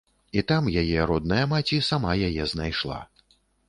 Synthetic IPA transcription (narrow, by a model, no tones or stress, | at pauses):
it̪amjajɛɾɔd̪̚nɐjɐmat͡sʲisamajajɛznajʂlˠa̰